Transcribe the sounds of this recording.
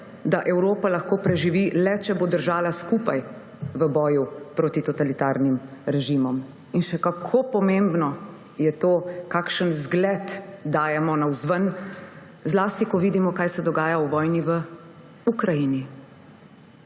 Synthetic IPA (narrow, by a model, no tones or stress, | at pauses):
d̪aʔɛwɾoːpalaxkoːpɾɛʒiʋilɛt͡ʃɛbod̪əɾʒaːlaskupaj | ʋəbɔːjupɾoːt̪it̪ɔt̪alit̪aɾnimɾɛʒimɔm | inʃɛkakʰopɔmembnɔ | jɛt̪oːkaːkʃənzɡlɛt̪d̪aːjɛmɔnawzʋən | zlaːst̪ikɔʋiːd̪imɔkaːjsɛd̪ɔɡaːjawʋɔːjniʋə | ukɾajini